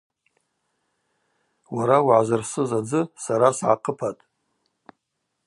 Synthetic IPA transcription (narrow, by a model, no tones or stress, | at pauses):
waɾawʕazarsɨzad͡zɨsaɾasʕa̰qʰəpʰatʼ